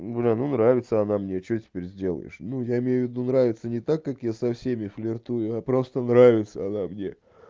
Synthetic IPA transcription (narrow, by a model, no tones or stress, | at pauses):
ɡəlʲanunɾavʲɪt̪səɐnamnʲet͡ɕotʲɪ̥pʲeɾʲzʲdʲelˠə̰jɪ̰ʂnujaɪmʲejʊvʲːɪd̪unɾavʲɪt̪sənʲɪt̪akːakjasɐfsʲemʲɪflʲɪrt̪ujʊapɾo̞st̪ənɾavʲɪt̪səɐnamnʲe̞